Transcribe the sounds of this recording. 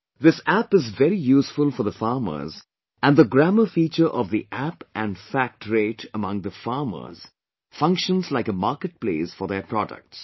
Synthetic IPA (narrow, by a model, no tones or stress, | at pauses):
ðɪsæpɨzvɛɾijuːsfʊlfɔɾðəfɑːɾmə̰ɾz | ʔæ̃nd̪əɡɾæməfiːt͡ʃəɾʔɔvðiʔæpʔæ̃nɖfæk̚ʈʰɾeːʈʰəmʌ̃ŋd̪əfɑɾmə̰˞z̥ | fʌ̃ŋkʃə̃nzlaɪkəmaːɾkəʈ̚pleɪsfɔɾðeɾpʰɾɔdə̰k̚ʈs